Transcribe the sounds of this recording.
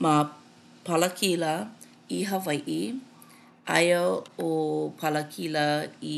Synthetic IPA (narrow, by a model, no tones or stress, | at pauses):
ma | pʰɐləkʰilɐ | iɦɐvɐjʔi | ʔɐ̰jəopʰɐləkʰilɐi